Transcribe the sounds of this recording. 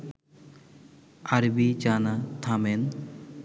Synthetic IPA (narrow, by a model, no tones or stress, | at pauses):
aɾbit͡ʃanat̪ʰamen